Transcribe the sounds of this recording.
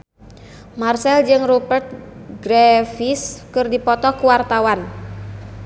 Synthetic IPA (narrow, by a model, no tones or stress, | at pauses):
marsɛld͡ʒɨŋrubərt̪̚ɡɾɛfiskɨrdipɔt̪ɔkuwart̪awan